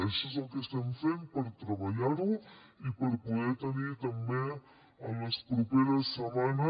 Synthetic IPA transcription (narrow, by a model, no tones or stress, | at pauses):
ɛsezəlˠkest̪ɛmfempəɾt̪ɾəβaʎaɾu | ipəɾpuðɛt̪ənit̪əmbe | ələspɾupeɾəsːəmanə